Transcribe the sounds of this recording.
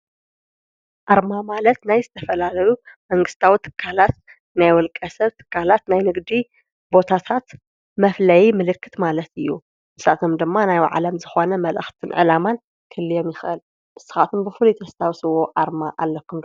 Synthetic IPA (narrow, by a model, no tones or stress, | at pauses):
ʔaɾmamalɐt̪najzɨt̪ʰɐfɐlalɐjumɐŋɡɨst̪ʰawit̪ʰɨ̥kʰːalat̪̚ | najwɔlkʼɐsɐβt̪ʰɨ̥kʰːalat̪najnɨɡd̪i | bo̞t̪ʰat̪ʰat̪ | mɐflɐjimɨlɨkːɨt̪malɐt̪ɨjːu | ɨsʔa̰t̪ʰomd̪ɨmːanajw̰ʕa̰lɐmzɨxo̞nɐmɐlʔɨ̰xt̪ʰɨnʕɨlaman | kʰɨlːɨjo̞mjɪxʔɨl | ʔɨsɨ̥xat̪ʰɨnbɨfɨlut̪ʰɐst̪ʰawsɨwoʕaɾmaʔalːɐkːumd̪